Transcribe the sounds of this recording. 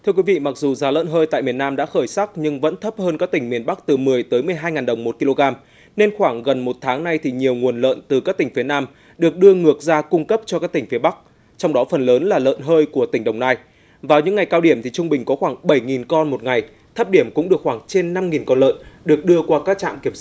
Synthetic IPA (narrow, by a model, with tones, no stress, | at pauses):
t̪ʰɨ˧əkwi˨˦vḭ˧˨ma˨˩k̚zu˨˩zaː˨˦lə̰ː˧˨nɦəː˧jt̪a̰˧˨jmi˨˩ənːaː˧mɗa̰ː˧˥xəː˧˩jsa˦˥k̚ɲɨ˧ŋvə̰˧˥nt̪ʰə˦˥p̚həː˧nkaː˦˥k̚t̪ï˧˩ŋ̟mi˨˩ənɓa˦˥k̚t̪ɨ˨˩mɨ˨˩əjt̪əː˨˦jmɨ˨˩əjɦaː˧jŋaː˨˩ɗə˨˩wŋ͡mmo˨˩t̚ki˧lo˧ɣaː˧m | ne˧nxwaː˧˩ŋɣə˨˩nmo˨˩t̚t̪ʰaː˨˦ŋna˧jt̪ʰi˨˩ɲi˨˩əwŋu˨˩ənlə̰ː˧˨nt̪ɨ˨˩kaː˦˥k̚t̪ï˧˩ŋ̟fi˨˦ənaː˧m | ɗɨ˨˩ək̚ɗɨ˧əŋɨ˨˩ək̚zaː˧kʊ˧ŋ͡mkə˦˥p̚t͡ɕɔ˧kaː˦˥k̚t̪i˧˩ŋ̟fi˨˦ɓa˦˥k̚ | t͡ɕɔ˧wŋ͡mɗɔ˨˦fə˨˩nləː˨˦nlaː˨˩lə̰ː˧˨nɦəː˧jku˧˩ət̪ï˧˩ŋ̟ɗə˨˩wŋ͡mnaː˧j | vaː˨˩wɲɨ̰˧˥ŋːa˨˩jkaː˧wɗi˧˩əmt̪ʰi˨˩t͡ɕʊ˧ŋ͡mɓï˨˩ŋ̟kɔ˨˦xwaː˧˩ŋɓə˧˩jŋi˨˩nkɔ˧nmo˨˩t̚ŋa˨˩j | t̪ʰə˦˥p̚ɗi˧˩əmkʊ̰˧˥ŋ͡mɗɨ˨˩ək̚xwaː˧˩ŋt͡ɕe˧nːa˧mŋi˨˩nkɔ˧nlə̰ː˧˨nɗɨ˨˩ək̚ɗɨ˧əkwaː˧kaː˦˥k̚t͡ɕa̰ː˧˨mki˧˩əmsa˦˥